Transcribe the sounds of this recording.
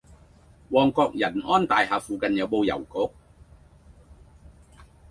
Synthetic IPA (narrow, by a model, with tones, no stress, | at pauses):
wɔː˨˩ŋkɔː˧k̚jɐ˨˩nɔː˥nt̪aː˨jɦaː˨˧fuː˨˧kɐ˨njɐ˨˧wpo˧wjɐ̰˨˩wkʊ˨˥k̚